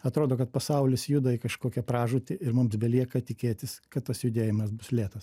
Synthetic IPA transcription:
ɐt̪ɾoːd̪oːkɐt̪̚pɐsɐʊlʲɪsjʊd̪ɐɪkɐʃkoːkʲɛpɾɑːʒʊt̪ʲɪɪɾmʊmsbʲɛlʲiɛkɐt̪ʲɪkʲeːt̪ʲɪskɐt̪t̪ːɐsjʊd̪ʲeːjɪmɐsbʊslʲeːt̪ɐs

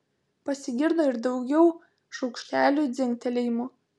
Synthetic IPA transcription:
pɐsʲɪɡʲɪɾd̪oːɪɾd̪ɒʊɡʲɛʊ | ʃɒʊkʃʲt̪ʲæːlʲuːd̪zʲɪŋʲkt̪ʲɛlʲɛjmo

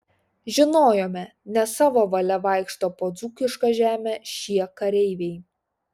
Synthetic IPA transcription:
ʒʲɪnoːjoːmʲɛnʲɛsɑːʋoːʋɐlʲɛʋɑˑɪkʃt̪oːpoːd̪zuːkʲɪʃkɐʒʲæːmʲeːʃʲiɛkɐɾʲɛɪʋʲɛɪ

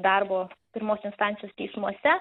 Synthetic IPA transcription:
d̪ɑɾboːpʲɪɾmoːsʲɪnst̪ɑːˑnt̪ʲɪjoːst̪ʲɛɪsmuɔsʲɛ

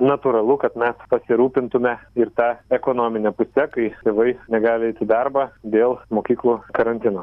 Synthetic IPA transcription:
nɐt̪uːɾɐlˠʊkɐt̪mʲɛspɐsʲɪɾuːpʲɪnt̪ʊmʲɛɪrt̪ɑːɛkoːnoːmʲɪnʲɛpʊsʲɛkɐɪt̪ʲeːʋɐɪnʲɛɡɑːlʲɪɛɪt̪ʲɪd̪ɑrbɑːd̪ʲeːlˠmoːkʲiːklˠuːkɐɾɐnʲt̪ʲɪnoː

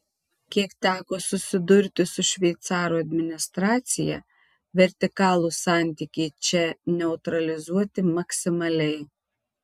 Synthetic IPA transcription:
kʲiɛkt̪ʲæːkoːsʊsʲɪd̪ʊɾʲt̪ʲɪsʊʃʲʋʲɛɪt̪sɑːɾuːɐd̪ʲmʲɪnʲɪst̪ɾɑːt̪sʲɪjɛ̰ | ʋʲɛɾʲt̪ʲɪkɑːlˠuːsɑˑnʲt̪ʲikʲɛɪt͡ʃʲɛnʲɛʊt̪ɾɐlʲɪzuɔt̪ʲɪmɐksʲɪmɐlʲɛɪ

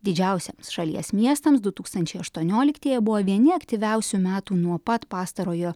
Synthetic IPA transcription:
d̪ʲɪd͡ʒʲɛˑʊsʲɛmsʃɐlʲḭɛsmʲiɛst̪ɐmsd̪ʊt̪uːkst̪ɐnʲt͡ʃʲɛɪɐʃt̪uɔnʲoːlʲɪkt̪ʲiːjɛbʊʋoːʋʲiɛnʲɪɐkt̪ʲiʋʲæˑʊsʲuːmʲæːt̪uːnuɔpɐt̪pɑːst̪ɐɾoːjoː

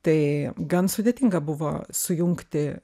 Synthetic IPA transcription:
t̪ɐɪɡɐnsʊd̪ʲeːt̪ʲɪŋɡɐbʊʋo̰ːsʊjʊŋkt̪ʲɪ

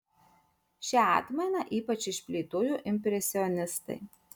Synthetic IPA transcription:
ʃʲɛɑ̰ːˑt̪mɐɪnɐˑʔiːpɐt͡ʃɪʃʲpʲlʲiːt̪oːjuːʔɪmʲpʲɾʲɛsʲɪɔnʲɪst̪ɐ̰ɪ

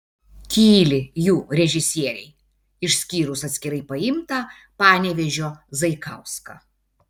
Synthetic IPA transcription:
kʲiːlʲɪjuːɾʲɛʒʲɪsʲiɛɾʲɛɪ | ɪʃsʲkʲiːɾʊsɐt̪sʲkʲɪɾɐɪpɐɪmt̪ɐ | pɑːnʲɛːʋʲɛʒʲoːzɐɪkɐʊskɑ̰

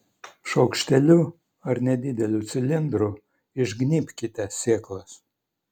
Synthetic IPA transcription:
ʃɐʊkʃʲt̪ʲɛlʲu | ɐɾnʲɛd̪ʲɪd̪ʲɛlʲut̪sʲɪlʲɪnd̪ɾu | ɪʒɡnʲiːpʲkʲɪt̪ʲɛsʲeːklˠɐs

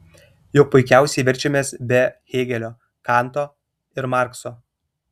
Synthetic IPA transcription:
jʊk̚pʊɪkʲæˑʊsʲɛɪʋʲɛɾʲt͡ʃʲɛmʲeːsbʲɛxʲeːɡʲɛlʲoː | kɑˑnt̪oː | ɪɾmɑˑɾksoː

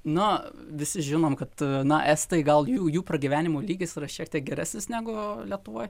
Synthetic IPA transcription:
nʊ | ʋʲɪsʲɪʒʲɪnoːmkɐt̪nɐʔɛst̪ɐɪɡɐlˠjuːjuːprɐɡʲiʋʲæːnʲɪmoːlʲiːɡʲɪsirɐʃʲiɛk̚t̪ʲiɛk̚ɡʲɛɾʲæ̰ːsʲnʲɪsnʲæːɡʊlʲiɛt̪ʊʋoːj

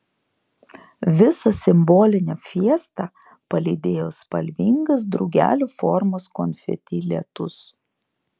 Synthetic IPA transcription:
ʋʲɪsɐsʲɪmbɔːlʲɪnʲɛfʲiɛst̪ɑ | pɐlʲɪd̪ʲeːjoːspɐlʲʋʲiŋɡɐs̬d̪ɾɔʊɡʲæ̰ːlʲuːfɔɾmoːskɔnʲfʲɛ̰t̪ʲɪlʲɛ̰t̪ʊs

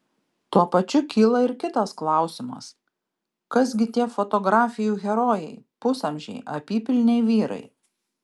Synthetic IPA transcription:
t̪uɔpɐt͡ʃʲʊkʲiːlˠɐɪɾkʲɪt̪ɐsklˠɑˑʊsʲɪmɐ̰s | kɐsɡʲɪt̪ʲiɛfɔt̪ɔɡɾɑːfʲɪjuːɣʲɛɾoːjɛɪpʊsɐmʲʒʲɛ̰ɪʔɐpʲiːpʲɪlʲnʲɛɪʋʲiːɾɐ̰ɪ

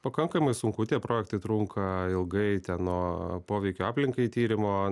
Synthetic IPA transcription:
pɐkɐŋkɐmɐɪsʊŋkʊt̪ʲiɛpɾoːjɛkt̪ɐɪt̪ɾuŋkʰɐɪlˠɡɐɪt̪ʲɛnnoːpoːʋʲɛɪkʲoːaːpʲlʲɪŋkɐɪt̪ʲiːɾʲɪmoː

